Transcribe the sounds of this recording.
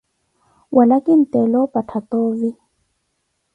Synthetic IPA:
wʔalakʼin̩tʼɛlɔpʼatʰat̪oːvi

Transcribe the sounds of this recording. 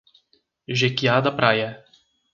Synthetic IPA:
ʒɛkʲijaːd̪apɾajɛ

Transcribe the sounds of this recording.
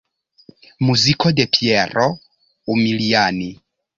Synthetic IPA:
muzikɔdɛpʰiɛrɔ | umiliani

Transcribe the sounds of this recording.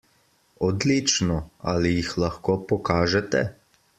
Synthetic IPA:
ɔd̪lit͡ʃnɔa̰lijixlɐxkoːpɔkaːʒɛt̪ɛ̰

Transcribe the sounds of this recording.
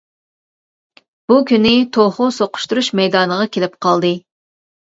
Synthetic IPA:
b̥ukʲynɪt̪ʰoχʊsoqʰʊ̥ʃt̪uɾuʃmɛjd̪ɑnəʁɑkʲʰelɪpqʰɑlˠd̪ɨ

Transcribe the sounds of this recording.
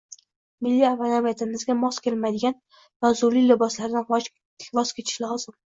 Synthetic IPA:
mɪlːiavanamijat̪ʰɪmɪzɡʲamɒskʲʰelmad̪ɪɡʲan | vazʊɾlilɪbɒslaɾd̪anv | vɒskʲʰet͡ʃ̪ʰɪ̥ʃlɒzɪm

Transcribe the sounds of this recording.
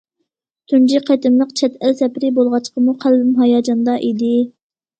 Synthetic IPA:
t̪ʰynd͡ʒiqʰɑt̪ɪmlˠəqt͡ʃʰɛt̪ælsɛpɾɪbolˠʁɑt͡ʃqəmuqʰælbɪmɦɑjɑːd͡ʒɑnd̪ɑʔid̪ɪ

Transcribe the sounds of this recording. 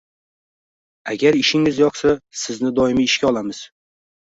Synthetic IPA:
a̰ɡʲaɾɪʃɪŋɪzjɒqsasɪznɪd̪ɒɪmɪːʃkʲaɒlˠamɪz̥

